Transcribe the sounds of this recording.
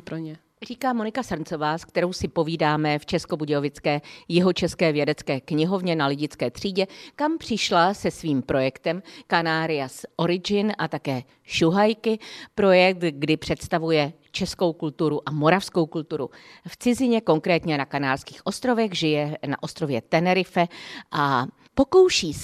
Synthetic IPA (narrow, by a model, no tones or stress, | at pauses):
pɾoɲɛ | riːkaːmo̞nɪkasarnt͡so̞vaːskt̪ɛɾo̞wsɪpo̞viːdaːmɛft͡ʃɛsko̞buɟɛovɪt͡skɛːjɪɦo̞t͡ʃɛskɛːvjɛdɛt͡skɛːkɲɪɦo̞vɲɛnalɪɟɪt͡skɛːt̪r̝̥iːɟɛkampr̝̥ɪʃlasɛsviːmpɾo̞jɛkt̪ɛmkanaːɾɪjasʔo̞ɾɪd͡ʒɪnʔat̪akɛː | ʃuɦajkɪpɾo̞jɛk̚t̪ɡdɪpr̥ɛt̪st̪avujɛ | t͡ʃɛsko̞wkult̪uɾuʔamo̞ɾafsko̞wkult̪uɾṵft͡sɪzɪɲɛko̞ŋkɾɛːt̪ɲɛnakanaːɾskiːxʔo̞st̪ɾo̞vɛɣʒɪjɛna̰ʔo̞st̪ɾo̞vjɛt̪ɛnɛɾɪfɛʔa | po̞kowʃiː